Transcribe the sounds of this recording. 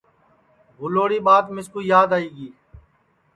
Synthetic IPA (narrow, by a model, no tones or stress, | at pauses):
bʱʊloːɽiːɓaːt̪mɪskuːjaːd̪aːiːɡiː